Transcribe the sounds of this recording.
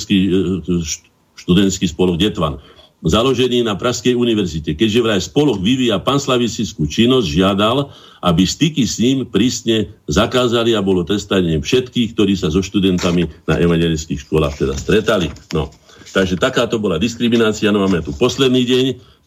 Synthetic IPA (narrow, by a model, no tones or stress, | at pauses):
skiː | ʃt̪ud̪ɛnt̪skiːspɔlɔɡɟɛt̪ʋa̰n | zalɔʒɛniːnapɾʔaxskɛjuniʋɛɾzicɛkɛɟʒɛʋɾajspɔlɔɣʋiʋiːjapanslaʋisit͡skuːt͡ʃinːɔzɟʒɪad̪al | ʔabist̪ikisɲiːmpɾiːsɲɛzakaːzaliabɔlɔt̪ɾɛst̪aɲɲɪɛfʃɛt̪kiːxk̚t̪ɔɾiːsazɔʃt̪ud̪ɛnt̪amina̰ʔɛmaɲɛlɛskiːxʃkʊɔla̰ːxt̪ɛd̪a̰st̪ɾɛt̪alinɔ̰ | t̪aɡʒɛt̪akaːt̪ɔbɔlad̪iskɾiminaːt͡sianɔmamɛt̪upɔslɛd̪niːɟɛɲ